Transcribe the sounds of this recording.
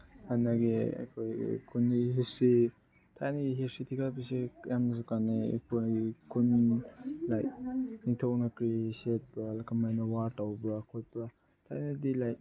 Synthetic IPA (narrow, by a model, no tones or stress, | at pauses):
majnaɡia̰kʰoj̰kʰunɦesi | tʰajnɐɡiɦesitʰikapisijamz̬ukanikʰunikʰun | la̰jniŋtʰawnɐkɾiset̚paːlakʰamajnɐwaɾtawbakʰot̚pɐ | tʰajnadilaj